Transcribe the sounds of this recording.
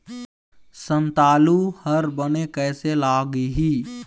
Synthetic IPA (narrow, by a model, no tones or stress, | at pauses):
sə̃nt̪aːluhəɾbənekɛːselaːɡɦiː